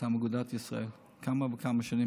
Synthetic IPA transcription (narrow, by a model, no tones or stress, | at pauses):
aməɡud̪at̪jisʁo̰el | kʰamavəkʰamaʃani